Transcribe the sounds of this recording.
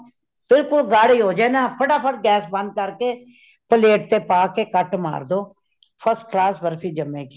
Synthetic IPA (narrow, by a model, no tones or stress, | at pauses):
bɪlkʊlɡaːɽiːɦoːd͡ʒaːnãːpʰəʈaːpʰəʈɡɛːsbə̃nd̪̚kəɾkeː | pəleːʈ̚t̪eːpaːkeːkəʈma̰ːɾd̪oː | pʰəsʈklaːsbəɾpʰiːd͡ʒəmẽːki